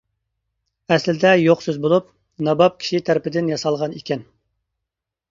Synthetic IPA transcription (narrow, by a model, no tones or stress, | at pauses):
ɛslɪd̪ɛjoqsøzbolˠup̚ | nɑbɑp̚kʲʰi̥ʃit̪ʰæɾɪpɪd̪ɪnjɑsɑlˠʁɑnikʲɛn